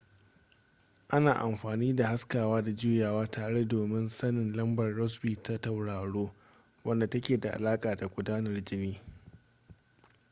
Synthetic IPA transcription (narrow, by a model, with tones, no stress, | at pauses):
ʔa˦naː˨ʔa˨mɸaː˨niː˦da˨ha˦skaː˨waː˦da˨d͡ʒuː˦jaː˨waː˦tʰaː˨ɽe˦doː˨mɪ˦nsɐ˦nɪ˨nlɐ˦mbɐ˨rːɔ˦s̬biː˨ta˦ta˨wɽaː˨ɽoː˦ | wɐ˦nda˨tɐ˦kʲeː˨da˨ʔa̰˨laː˦kʼaː˨da˨ɡʷʊ˨daː˦nɐ˨rd͡ʒɪ˦niː˦